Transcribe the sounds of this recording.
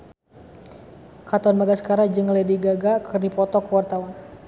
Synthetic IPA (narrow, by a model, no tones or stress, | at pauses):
kat̪ɔnbaɡasə̥kaɾad͡ʒəŋlədiɡaɡakʰərdipɔt̪ɔkəwart̪awan